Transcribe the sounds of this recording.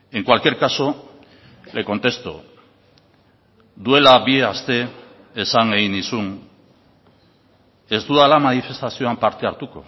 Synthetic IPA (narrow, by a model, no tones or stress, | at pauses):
e̞ŋkwalkie̞ɾkaso̞ | le̞ko̞nt̪e̞st̪o̰ | d̪ue̞laβieast̪e̞ː | saŋɡeɣinisun | e̞zd̪uðalamanife̞st̪asio̞ampaɾt̪e̞aɾt̪uko̞̰